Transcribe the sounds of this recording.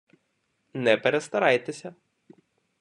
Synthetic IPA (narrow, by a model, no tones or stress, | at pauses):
nɛpeɾest̪ɐɾɑjt̪esʲɐ